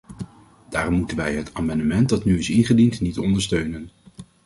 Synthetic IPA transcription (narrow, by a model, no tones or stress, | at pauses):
d̥aːrɔmːutənʋɛjɦətʰaːmɑndəmɛnt̚dɑtnyɪsɪnχədintnitɔndəɹstøɥnən